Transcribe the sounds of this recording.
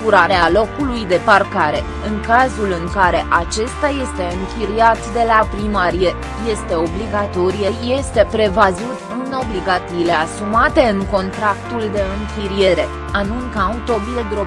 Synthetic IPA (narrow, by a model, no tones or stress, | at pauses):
kuɾaɾealo̞kulujd̪e̞parkaɾe̞ | ɨŋkazulɨŋkaɾe̞ʔat͡ʃe̞st̪aje̞st̪e̞ɨŋkʲiɾiat̪d̪e̞lapɾimaɾije | je̞st̪e̞o̞bliɡat̪o̞ɾijəje̞st̪e̞pɾe̞vazut̪ɨno̞bliɡat̪iːle̞asumat̪e̞ɨŋko̞nt̪ɾakt̪uld̪e̞ɨŋkʲiɾije̞ɾe̞ | anuŋkaut̪o̞biled̪ɾo̞b